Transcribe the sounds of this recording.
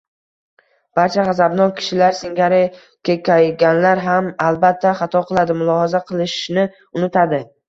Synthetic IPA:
b̥aɾt͡ʃʰaʁazabnɒnkʲʰɪ̥ʃɪlaɾsɪŋɡʲaɾɪ | kʲʰekʲajɡʲanlaɾɦamalˠbat̪ʰːaχɑt̪ʰɒqʰɨlˠad̪ɪmʊlˠɒhazaqʰɨlˠɪʃnɪ | ʊnɪt̪ʰad̪ɪ

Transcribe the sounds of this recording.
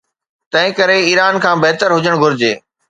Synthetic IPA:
t̪ɐ̃ɦɪ̃kɐɾeiːɾaːnkʰãːbeɦt̪əɾɦʊd͡ʑəɽ̃ɡʱʊɾɪd͡ʑeː

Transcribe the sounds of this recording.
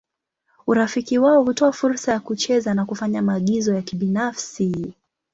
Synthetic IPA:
uɾafikiwaɔhutɔafuɾsajakut͡ʃɛzanakufaɲamaːɠizɔjakiɓinafsi

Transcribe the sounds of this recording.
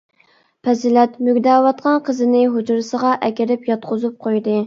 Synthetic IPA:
pʰɛzɪlɛt̪møɡʲd̪ɑːwɑt̪̚qʰɑnqʰəzɨnɪɦud͡ʒuɾɨsəʁɑʔɛkʲɪɾɪpjɑt̪̚qʰʊzup̚qʰojd̪ɨ

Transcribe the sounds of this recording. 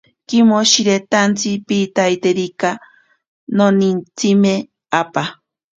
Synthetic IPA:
kimoʃiɾet̪ant͡sipiːt̪ajt̪eɾika | nonint͡sime | apa

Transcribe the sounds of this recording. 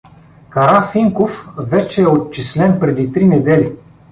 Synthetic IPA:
kɐɾafiŋkofvɛt͡ʃɛːott͡ʃislɛnpɾɛd̪it̪ɾinɛd̪ɛli

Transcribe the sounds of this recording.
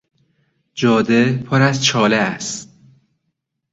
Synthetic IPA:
d͡ʒɒːd̪epʰoɾæzt͡ʃʰɒːleæst̪

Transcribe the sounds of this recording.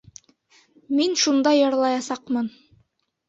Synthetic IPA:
minʃund̪ɑjɤ̆ɾlˠɑjɑsɑqmɤn

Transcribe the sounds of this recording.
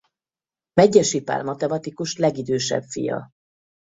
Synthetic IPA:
mɛɟːɛʃipa̰ːrmɒt̪ɛmɒt̪ikuʃlɛɡid̪øːʃɛ̰bfḭjɒ̰

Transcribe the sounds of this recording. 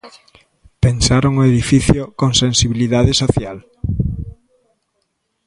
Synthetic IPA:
pensaɾoŋoeðifiθjokoŋsẽnsiβiliðaðesoθjal

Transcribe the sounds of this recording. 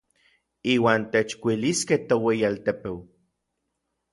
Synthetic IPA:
iːwaːnt̪et͡ʃkʷiliskeht̪oweialt̪epew

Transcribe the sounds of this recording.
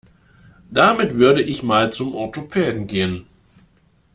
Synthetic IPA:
d̥amɪtv̥ʏɐɾəʔɪçmaːlt͡sʊmʔɔɐtopʰɛːdn̩ɡeːən

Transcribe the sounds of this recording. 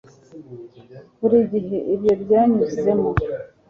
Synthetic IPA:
kuɾiɟiɦeʔibjobjaːɲuzizemo

